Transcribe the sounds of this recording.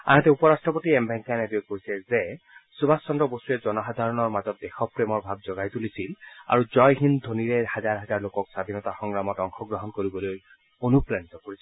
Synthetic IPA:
a̰ɦatɛupɔɹastɹɔpotiɛmbɛŋkanɛbijoɡkoisɛzɛ | subʱasːɔndɔbostuɛzɔnɔɦad̪ʱaɹɔnɔɹmazɔt̚dɛxɔpɹemɔɹbʱab̚zɔɡajtulisila̰ɹuzɔjɦind̪ʱoniɹɛhazaɹɦazaɹlokɔksad̪ʱinɔtaxɔŋɹamɔtɔŋxʰɔɡɹɔɦɔnkoɹibɔloj | onupɹanit̪ɔkoɹis

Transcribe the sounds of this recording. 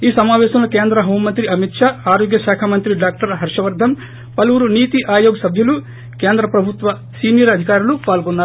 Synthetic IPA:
iːsɐmaːʋɛːʃɐmlɐkeːnd̪ɾɐɦoːmːɐnt̪ɾiɐmit̪ʂaːaːɾoːɡjɐʃaːkʰaːmɐnt̪ɾiɖaːk̚ʈɐɾɦɐɾʂɐʋɐɾd̪ʱɐm | pɐluʋuɾuniːt̪iʔaːjoːɡɐsɐbʱjɐlu | keːnd̪ɾɐpɾɐbʱut̪ʋɐ | siːnijɐɾɐd̪ʱikaːɾulupaːlɡonːaː

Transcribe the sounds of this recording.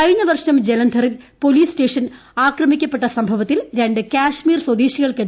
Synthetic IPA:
kɐɻiɲːɐʋɐrʂɐnɐmd͡ʑelɐnd̪ʱɐrɨpo̞liːste̞ːʂɐn | aːkrɐmikʲːɐpːe̞ʈːɐsɐmbʱɐʋɐt̪ːilɾe̞ɳɖɨkʲaːʂmiːrswɐd̪iːɕiɣɐɭke

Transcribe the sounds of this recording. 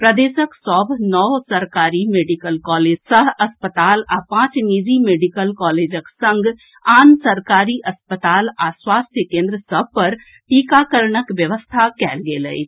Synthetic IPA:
pɾəd̪eːʃəksɔːbnɔːsɐɾkaːɾimeːɖikəlkɔːleːsəɦɐspət̪aːlapãːt͡ʃniːzimeːɖikəlkɔːleːd͡ʒəksɐ̃ŋɡ | aːnsəɾkaːɾiʔɐspət̪aːlaswaːst̪ʰjəkẽːnd̪ɾəsəb̚ʱpɐɾ | ʈiːkakəɾɳəkʋjəʋəst̪ʰakɛːlɡeːlə̰ḭ

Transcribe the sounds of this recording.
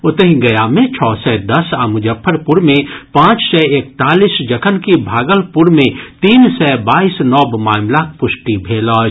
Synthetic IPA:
ʊt̪əɦĩɡɐjamẽt͡ʃʰɔːsɛd̪ɐsaːmʊd͡ʒəpʰːəɾpʊɾmẽpãːt͡ʃsɛeːk̚t̪aːliːsd͡ʒɐkʰənkibʱaːɡəlpʊɾmẽt̪iːnsɛːbaːisnɔːbmaːmlak̚ʰpʊʃʈibʱeːlɔːd͡ʒ

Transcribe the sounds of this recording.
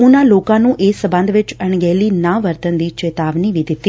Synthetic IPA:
ʊnãːloːkãːnũːʔeːsəbə̃nd̪ʋɪt͡ʃəɳɡɛːliːnãːʋəɾt̪ənd̪iːt͡ʃeːt̪aːʋniːʋiːd̪ɪt̪ːi

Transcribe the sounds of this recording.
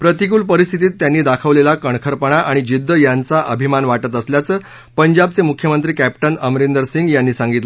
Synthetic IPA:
pɾət̪ik̬uːlpəɾist̪ʰit̪iːt̪ːjanːiːd̪akʰəʋlelakəɳ̃kʰəɾpəɳ̃aʔaɽ̃id͡ʑid̪ʱːəjant͡saʔəbʱimanʋaʈət̪əsljat͡sə | pəɲd͡ʑab̚t͡semukʰjəmənt̪ɾiːkæpʈənəmɾend̪əɾsiŋɡjanːiːsãŋɡit̪lə

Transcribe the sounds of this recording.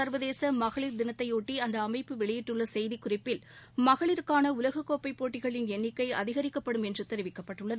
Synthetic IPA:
ɐɾʋɐðeːsɐmɐɣɐɭɪɾd̪ɪnɐt̪ːɐɪuːʈːiɐnd̪ɐːmɐɪpːɯʋɛɭɪjɪʈːɯɭːɐsɛjðikːʊrɪpːɪlmɐɣɐɭɪɾkaːnɐʊlɐɣɐkːoːpːɐɪpːoːʈːɪɣɐɭɪnɛnːɪkːɐɪɐ̰ðɪɣɐɾɪkːɐpːɐɽɯmɛndrɯt̪ɛɾɪʋɪkːɐpːɐʈːɯɭːɐðɯ

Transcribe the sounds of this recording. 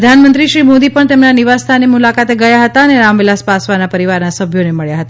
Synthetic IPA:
əd̪ʱanmə̃nt̪ɾiʃɾimod̪ipəɳt̪emnaniʋast̪ʰanemulakat̪eɡəjaɦət̪aəneɾamʋilaspasʋanapəɾiʋaɾnasəbʱjoneməɭjaɦət̪a

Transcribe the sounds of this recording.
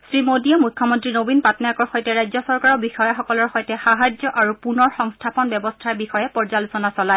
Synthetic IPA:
sɹimodiɔmujkʰːɔmɔntɹinobinpatnajakɔɹxojtɛɹajzɔsɔɹkaɹɔbixɔjaxɔkɔlɔɹxojtɛxaɦad͡ʒɔʔaɹupunɔɹxɔŋstʰapɔnbjɛbɔstʰaɹbixɔjɛpɔɹzalusɔnasɔlaj

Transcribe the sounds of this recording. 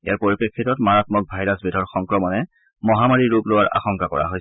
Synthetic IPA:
ḛjaɹpoɹipɹekʰːitɔtmaɹatmɔk̚bʱajɹasbidʱɔɹxɔŋkɹɔmɔnɛ | mɔɦamaɹiɹuplowaɹʔa̰xɔŋkakɔ̰ɹa̰ɦojs

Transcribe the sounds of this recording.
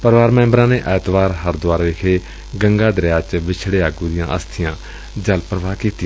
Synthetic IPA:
pəɾʋaːɾmɛ̃ːmbɾãːneːʔɛːt̪ʋaːɾɦəɾd̪ʊaːɾʋeːkʰeː | ɡəŋɡaːd̪ɾjaːt͡ʃʋɪt͡ʃʰɽeːaːɡuːd̪ɪjã̰ːʔə̰st̪ʰɪjãː | d͡ʒəlpəɾʋaːkiːt̪ɪ

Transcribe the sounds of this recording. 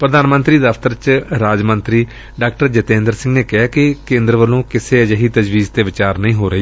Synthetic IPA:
pɾəd̪aːnmə̃nt̪ɾiːd̪əfʰt̪əɾt͡ʃɾaːd͡ʒmənt̪ɾiː | ɖaːkʈəɾd͡ʒət̪ẽːnd̪əɾsɪ̃ŋɡneːkɪɦaːkɪkẽːnd̪ɾəʋəlõːkɪseːəd͡ʒəɦiːt̪əd͡ʒʋiːzt̪eːʋɪt͡ʃaːɾnəĩːɦoːɾəiː

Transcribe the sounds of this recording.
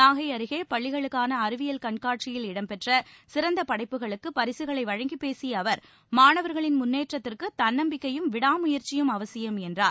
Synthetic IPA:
naːɣɐɪɐɾɯɣeːpɐɭːɪɣɐɭɯkːaːnɐːɾɯʋɪjɐlkɐɳkaːʈ̚t͡ʃɪjɪlɪɽɐmpɛʈrɐsɪɾɐnd̪ɐpɐɽɐɪpːɯɣɐɭɯkːɯpɐɾɪsɯɣɐɭɐɪʋɐɻɐŋɡipeːsɪjɐːʋɐɾ | maːɳɐʋɐɾɣɐɭɪnmʊnːeːʈrɐt̪ːɪrkɯt̪ɐnːɐmbɪkːɐjɯmʋɪɽaːmʊjɐɾt͡ʃɪjɯmɐʋɐsɪjɐmɛndraːɾ

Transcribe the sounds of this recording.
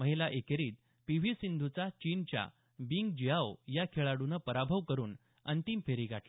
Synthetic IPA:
məɦilaʔekeɾiːt̪ | piʋ̤isind̪ʱut͡sat͡ɕint͡ɕja̰ | biŋɡd͡ʑijaʋjakʰeɭaɽunəpəɾabʱəʋkəɾuːn | ənt̪impʰeɾiɡʱaʈlə

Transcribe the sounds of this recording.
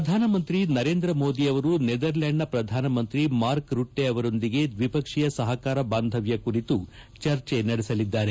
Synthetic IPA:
ɾɐd̪ʱaːnɐmɐnt̪ɾinɐɾe̞ːnd̪ɾɐmo̞ːd̪iɐʋɐɾuned̪ɐɾlɐɳɖɐpɾɐd̪ʱaːnɐmɐnt̪ɾimaːɾkɾuʈːe̞ɐʋɐɾo̞nd̪iɡe̞d̪ʋipɐkʂijɐsɐɦɐkaːɾɐbaːnd̪ʱɐʋjɐkuɾit̪ut͡ʃɐɾt͡ʃe̞nɐɽesɐlid̪ːaːɾe

